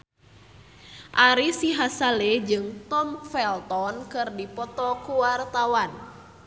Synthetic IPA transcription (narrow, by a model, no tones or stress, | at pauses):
ʔaɾisiɦasalɛd͡ʒɨŋt̪ɔmfɛlt̪ɔnkɨrdipɔt̪ɔkuwart̪awan